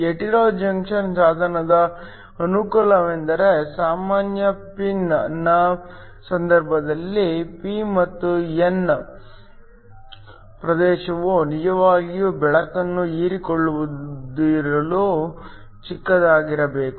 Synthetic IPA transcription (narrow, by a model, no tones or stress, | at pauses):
eʈiɾoːd͡ʒɐŋkʂɐnsaːd̪ʱɐnɐd̪ɐ | ɐnukulɐʋend̪ɐɾe̞saːmaːnjɐpinnːɐ | sɐnd̪ɐɾbʱɐd̪ɐlːipimɐt̪ːuen | pɾɐd̪ɛːʃɐʋunid͡ʒɐʋaːɡijubɛɭɐkɐnːuiːɾikoɭːuʋud̪ɾɐlu | t͡ʃikːɐd̪aːɡiɾɐbeːku